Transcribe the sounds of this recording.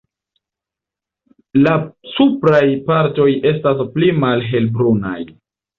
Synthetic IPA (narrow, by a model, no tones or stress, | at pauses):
lasupɾajpaɾto̞je̞stasplimalɦe̞lbɾuna̰j